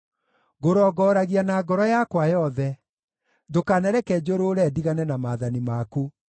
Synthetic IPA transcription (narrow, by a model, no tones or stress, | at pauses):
ɣoɾɔɡɔːɾaɣianaːɡɔɾɔjakwajɔðɛ | dokaːnɛɾɛkɛd͡ʑoɾoːɾɛdiɣanɛnamaðanimaku